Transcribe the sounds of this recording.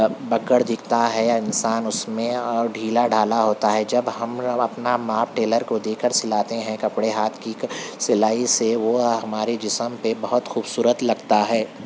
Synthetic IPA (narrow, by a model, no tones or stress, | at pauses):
bɐkəɽd̪ɪkʰt̪aɦɛjaɪnsaːnʊsmẽɖʱiːlaɖʱaːlaɦoːt̪aɦɛd͡ʒɐbɦɐmɐpnamaːp̚ʈeːləɾkod̪eːkəɾsɪlaːt̪eɦɛ̃kɐpɽeɦaːt̪ʰkisɪlaːiseʋoɦɐmaːɾed͡ʒɪsəmpebɐɦʊt̪xuːbsuːɾət̪lɐɡt̪aɦɛː